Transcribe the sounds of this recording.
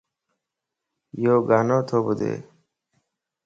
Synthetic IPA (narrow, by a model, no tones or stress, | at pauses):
joːɡanot̪ʰobud̪ḛ